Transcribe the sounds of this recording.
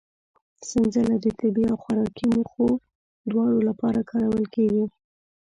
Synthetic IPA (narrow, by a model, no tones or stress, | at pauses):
sɪnzəlad̪ət̪ɪbiawxaɾɑkimuxo | d̪wɑɽolapɑɾakʰɑɾawəlkeɡi